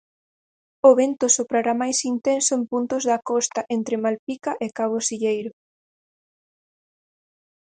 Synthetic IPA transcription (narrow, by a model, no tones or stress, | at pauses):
oβent̪ʊsopɾaɾamajsint̪ensoempunt̪ʊzðakɔst̪aʔent̪ɾemalpikaʔekaβ̞osiʎejɾʊ